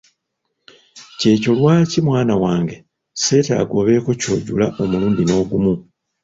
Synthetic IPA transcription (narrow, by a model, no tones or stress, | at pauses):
ce̞ːco̞lwaːcimwaːnawaːŋɡe̞ | se̞ːta̰ːɡo̞ːβe̞ːko̞co̞̰ːɟulaʔo̞muluːndino̞ːɡumu